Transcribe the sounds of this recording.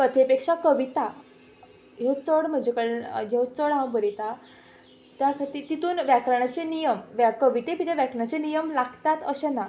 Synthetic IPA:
kət̪ʰepekʂakəʋit̪a | jewt͡səɽm̤əd͡ʑekəɭjewt͡səɽɦãwbəɾit̪a | t̪jakʰat̪iːt̪it̪uːnʋjakɾəɳ̃at͡ɕenijəmʋakəʋit̪epit̪ʰeʋjakɳ̃at͡ɕenijəmlaɡt̪at̪əɕena

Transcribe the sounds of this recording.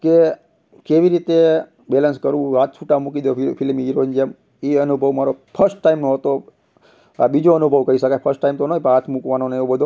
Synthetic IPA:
ke | keʋiɾit̪e | belənskəɾũat̪̚ʰt͡ʃʰuʈamukid̪jofʰilmiiɾond͡ʒəm | iənubʱəʋmaɾopʰəɾsʈːaimnoɦət̪o | a̰bid͡ʒoənubʱəʋkəɾiʃəkajpʰəɾsʈʈːaimt̪onəɦoipɦat̪ʰmukʋanoneeʋobəd̪ʱo

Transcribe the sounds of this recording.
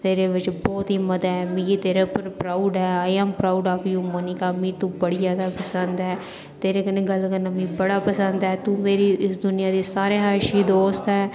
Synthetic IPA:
t̪eːɾeːʋɪt͡ʃbɔːt̪ɦiːməd̪aːɛːmĩːit̪eːɾeːpəɾpɾaːuɖɦɛːaːaːmpɾaːuɖaːpːjũːmonikaːmĩːt̪ũːbəɽiːjaːd̪aːpəsənd̪ɛː | t̪eːɾeːkəneːɡəlkəɾnaːmĩːbəɽaːpəsənd̪ɛːt̪ũːmeːɾiːɪsd̪ʊnɪjãːd̪eːsaːɾeːɦaːʃiːd̪oːst̪ɛː

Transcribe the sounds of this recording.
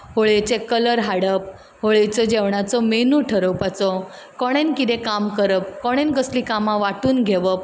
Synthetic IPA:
ɦoɭet͡sekələɾɦaɽəp̚ | ɦoɭejt͡sɔd͡ʑeʋɳat͡sɔmenuʈʰəɾəwpat͡sɔ | kɔɽ̃enkid̪ẽkamkəɾəp̚kɔɽ̃enkəsliːkamãʋaʈuːnɡʱeʋəp̚

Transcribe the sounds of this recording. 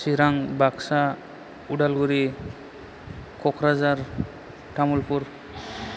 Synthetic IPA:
siɾaŋbaksa | uɖalɡuɾi | kʰɔkʰɾazaɾ | ʈamulpuɾ

